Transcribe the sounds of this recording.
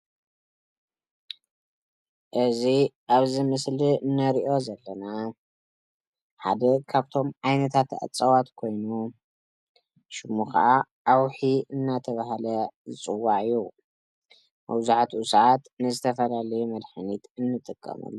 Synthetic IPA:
ʔɨziʔaβzimɨsliɨnːɐɾiʔo̞zɐlːɐna | ħa̰d̪ɐkʰaβt̪ʰo̞mʕajnɐt̪ʰat̪a̰t͡sʼɐwat̪kʰo̞jnu | ʃɨmuxa̰ʔaʔawħiɨnːat̪ʰɐβahalɐzɨt͡sʼɨwːaʕɨju | mɐ̰βzaħt̪usat̪nɨzɨt̪ʰɐfɐlalɐjumɐd̪ħɨnit̪ɨnːɨt̪ʼɨkʼːɐ̰mɐ̰lː

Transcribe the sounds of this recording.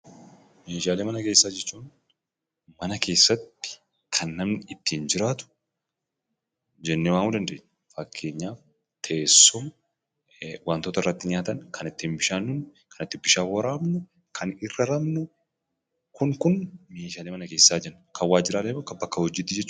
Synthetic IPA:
meːʃaːleːmɐnɐke̞ːsːaːd͡ʒɛt͡ʃːuːn | mɐnɐke̞ːsːɐt̪ːɪ̥ | kʰɐnːɐmnɪɪt̪ːiːnd͡ʒɪɾaːt̪ʊ̥ | d͡ʒɛnːewaːŋuːd̪ɐnd̪eːɲː | fɐkʰːe̞ːɲːaːf | t̪ʰeːsːɔm | want̪oːt̪ɐɪrːɐt̪ːɪɲaːt̪ɐnkʰɐnɪt̪ːiːnbɪʃaːnːʊnkʰɐnɪt̪ːɪbɪʃaːwɐɾaːmnʊ | kʰɐnɪrːɐɾɐmnʊ | kʊŋkʊnmeːʃaːleːmɐnɐke̞ːsːaːd͡ʒɛnːkɐwaːd͡ʒːɪɾaːleːbɐkɐbɐkːɐhɔd͡ʒiːt̪ːɪd͡ʒɛt͡ʃː

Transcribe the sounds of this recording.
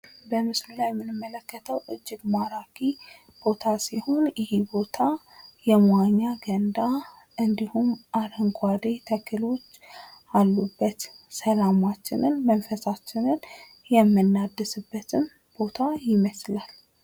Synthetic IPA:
bəmɨslulajɛmːɨnɨmːələkːət̪ʰəwʔɨd͡ʒːɪɡmaɾakʰi | b̥o̞t̪ʰasiho̞njɪhibo̞t̪ʰajɛmaɲːaɡənd̪a | ʔɨnd̪ihumʔaɾəŋɡʰʷad̪et̪ʰəkʰɨlo̞t͡ʃːalːubːət̪səlamat͡ʃːɪ̰nɨnmənfəsat͡ʃːɪnɨn | jɛmːɨnːad̪ːɨsɨbːət̪ʰɨm | b̥o̞t̪ʰajɪməslal

